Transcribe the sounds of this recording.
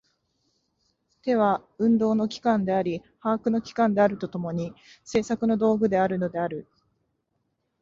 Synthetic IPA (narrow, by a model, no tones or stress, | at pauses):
t̪e̞β̞aɯ̟̃nd̪o̞ːno̞kʲi̥kãnd̪e̞aɾʲi | haːkɯ̟no̞kʲi̥kãnd̪e̞aɾɯ̟t̪o̞t̪o̞mo̞ɲ̟ise̞ːsakɯ̟no̞d̪o̞ːɡɯ̟d̪e̞aɾɯ̟no̞d̪e̞aɾɯ̟